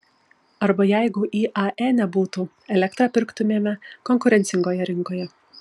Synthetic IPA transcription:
ɐɾbɐjæɪɡʊʔiːʔɐʔɛnʲɛbuːt̪u | ɛlʲɛkt̪ɾɐpʲɪɾkt̪ʊmʲeːmʲɛkɔŋkʊɾʲɛnt̪sʲɪŋɡoːjɛɾʲɪŋˑkoːjɛ

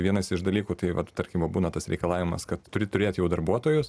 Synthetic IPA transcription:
ʋʲiɛnɐsɪʃd̪ɐlʲiːkuːt̪ɐɪʋɐ̰tt̪ɐɾʲkʲɪmʋɐbuːnɐt̪ɐsɾʲɛɪkɐlˠɑːʋʲɪmɐ̰skɐt̪t̪ʊɾʲɪt̪ʊɾʲeːt̪jɛʊd̪ɐɾbuɔt̪oːjʊs

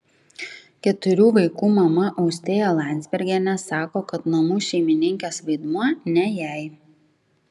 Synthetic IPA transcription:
kʲɛt̪ʊɾʲuːʋɐɪkuːmɐmɐʔɒʊsʲt̪ʲeːjɛlˠɑˑnʲzʲbʲɛɾʲɡʲɛnʲɛsɑːkoːkɐt̪nɐmuːʃʲɛɪmʲɪnʲɪŋʲkʲeːsʋɐɪd̪muɔnʲɛjæˑɪ

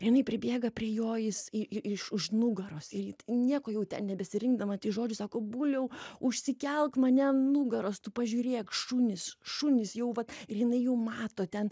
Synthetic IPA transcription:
ɪrjɪnɐɪpʲɾʲɪbʲeːɡɐpʲrʲiɛjoːɪsɪɪɪʃʊʃnʊɡɐɾoːsɪrjɪnʲiɛkoːjɛʊt̪ʲɛ̰nnʲɛbʲɛsʲɪɾʲɪŋɡd̪ɐmɐt̪ʲɪʒoːd͡ʒʲʊsɑːkoːbuːlʲɛʊʊʃʲsʲɪkʲɛlˠkmɐnʲɛnʊɡɐɾoːst̪ʊpɐʒʲuːɾʲeːkʃunʲɪsʃunʲɪsjɛʊʋɐt̪ɪrjɪnɐɪjɛʊmɑːt̪oːt̪ʲɛn

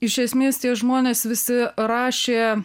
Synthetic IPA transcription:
ɪʃʲɛsʲmʲeːst̪ʲiɛʒmoːnʲeːsʋʲɪsʲɪɾɑːʃʲeː

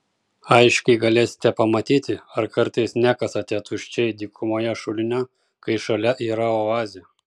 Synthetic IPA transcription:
ɐɪʃʲkʲɛɪɡɐlʲeːsʲɪ̥t̪ʲɛpɐmɐt̪ʲiːt̪ʲɪɐɾkɐɾt̪ɐɪsnʲækɐsɐt̪ʲiɛt̪ʊʃʲt͡ʃʲɛɪd̪ʲiːkʰʊmoːjɛʃʊlʲɪnʲɛ | kɐɪʃɐlʲɛʔiːɾɐoɑːzʲɪjɛ

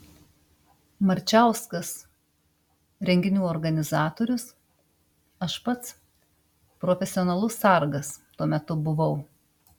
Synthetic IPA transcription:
mɐɾʲt͡ʃʲæˑʊskɐs | ɾʲɛŋʲɡʲɪnʲuːɔɾɡɐnʲɪzɑːt̪oːɾʲʊs | ɐʃpɐt̪s | pɾɔfʲɛsʲɪɔːnɐlˠʊsɐˑɾɡɐst̪uɔmʲɛt̪ʊbʊʋɐʊ

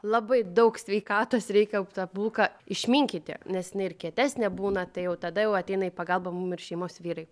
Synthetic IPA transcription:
lˠɑbɐɪd̪ɐʊksʲʋʲɛɪkɑːt̪oːsɾʲɛɪkʲɛt̪ɑbuːlˠkɑɪʃʲmʲiŋʲkʲit̪ʲɪ̰nʲɛsjɪnɐɪɪrkʲiɛt̪ʲæːsʲnʲɛbuːnɐt̪ɐɪjɛʊt̪ɐd̪ɐjɛʊɐt̪ʲɛɪnɐiːpɐɡɐlˠbɐmumɪrʃʲɛɪmoːsʋʲiːɾɐɪ

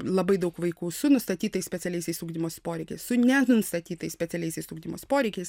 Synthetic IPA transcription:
lˠɐbɐɪd̪ɐʊkʋɐɪkuːsʊnʊst̪ɐt̪ʲiːt̪ɐɪsʲpʲɛsʲɛlʲɛɪsʲɛɪsuːɡd̪ʲɪmoːspoːɾʲɛɪkʲɛɪssʊnʲɛnnst̪ɐt̪ʲiːt̪ɐɪsʲpʲɛtt͡sʲɛlʲɛɪsʲɪsuːɡd̪ʲɪmoːspoːɾʲɛɪkʲɛɪs

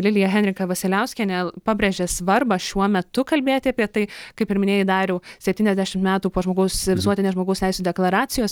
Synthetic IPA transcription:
lʲɪlʲɪjɛɦʲɛnʲɾʲɪkɐʋɐsʲɪlʲɛʊsʲkʲɛnʲɛpɑːbʲɾʲeːʒʲeːsʋɐrbɐʃʲuɔmʲɛt̪ʊkɐlʲbʲeːt̪ʲɪɐpʲiɛt̪ɐɪkɐɪpɪɾmʲɪnʲeːjɪd̪ɑːɾʲɛʊsʲɛp̚ʲt̪ʲiːnʲɛzʲd̪ʲæʃʲɪmt̪mʲæːt̪uːpoːʒmoːɡɐʊsʋʲɪsuɔt̪ʲɪnʲeːʒmoːɡɐʊst̪ʲɛɪsʲuːd̪ʲɛklˠɐɾɑːt̪t͡s̪ʲɪjoːs

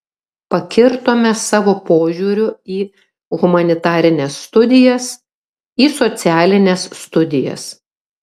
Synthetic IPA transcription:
pɐkʲɪɾt̪oːmʲɛsɑːʋoːpoːʒʲuːɾʲʊiː | ɣʊmɐnʲɪt̪ɑːɾʲɪnʲesːt̪ʊd̪ʲɪjɛs | iːsɔt̪sʲæːlʲɪnʲesːt̪ʊd̪ʲɪjɛ̰s

